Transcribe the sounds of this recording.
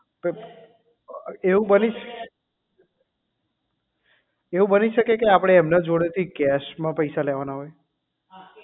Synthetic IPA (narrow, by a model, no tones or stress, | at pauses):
pe | eʋũbəniʃ | eʋũbəniʃəkekeapɽ̃eɛmnad͡ʒoɽet̪ʰikɛʃmãpəjsalɛʋanaɦɔj